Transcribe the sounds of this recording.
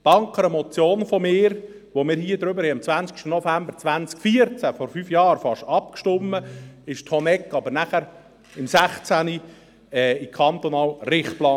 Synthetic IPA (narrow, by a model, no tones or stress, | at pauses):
tɑŋkʰəɾəmɔt͡sjoːnfɔmɪːɾ | ʋomɪːɾhiːəd̪ɾʏbəɾhɛɑmt͡sʋænskʃtənɔfæmbəɾt͡sʋænt͡skfiəɾt͡sæfɔɾfyːfjɑːɾfɑʃɑp̚kʃtʊmːəɪʃthɔnɛkːɑbəɾnæχəɾ | ɪmsæχt͡sæni | ɛːikʰɑnt̪ɔnɑːlrɪχtplɑː